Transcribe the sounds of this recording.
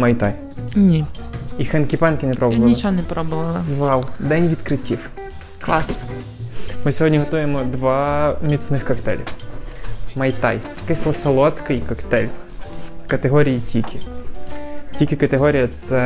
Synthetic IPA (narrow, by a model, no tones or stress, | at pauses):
mɐjt̪ɑj | nʲiixɛnkʲipɛnkɪnepɾɔbʊʋɐlnit͡ʃɔɦɔnɛpɾɔbʊʋɐlˠɐzʋɑlˠd̪ɛnʲʋʲid̪kɾɪtʲiw | klˠɑs | mɪsʲɔɦɔdʲnʲiɦɔt̪ujemɔd̪ʋɑmʲit̪snɪxkɐkt̪ɛ̰lʲḭw | mɐjt̪ɑj | ɐkɪsʲlˠɐsɐlˠɔt̪kɪjkɐkt̪ɛlʲskɐt̪eɦɔɾʲijitʲikʲʰɪ | tʲikʲɪkɐt̪eɦɔɾʲijɐt̪sɛ